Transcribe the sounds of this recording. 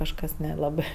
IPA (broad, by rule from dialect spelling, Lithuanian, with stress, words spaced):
kɐʃˈkɐs nʲɛˈlˠɑːbɜ